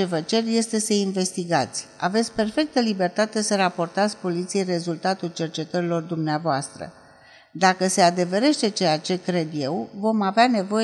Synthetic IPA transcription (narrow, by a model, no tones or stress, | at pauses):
e̞vət͡ʃe̞rje̞st̪e̞səinve̞st̪iɡat̪sʲa̰vet̪sʲpe̞rfe̞k̚t̪əlibe̞rt̪at̪e̞səɾapo̞rt̪at̪sʲpo̞lit̪sije̞jre̞zult̪at̪ult͡ʃe̞rt͡ʃe̞t̪əɾilo̞rd̪umneavoast̪ɾə̰ | d̪akəse̞ad̪e̞ve̞ɾe̞ʃt̪e̞t͡ʃe̞jat͡ʃe̞kɾe̞d̪je̞wvo̞maveane̞vo̞je